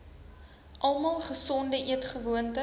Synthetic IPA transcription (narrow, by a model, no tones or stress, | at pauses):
ʔɐlˠmɑːlˠχəsɔndəʔiətχəvuəntə